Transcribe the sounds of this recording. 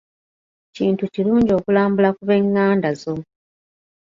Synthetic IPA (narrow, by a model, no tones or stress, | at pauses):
ciːntuciluːɲɟio̞ːkulaːmbulakuβe̞ŋːaːndazo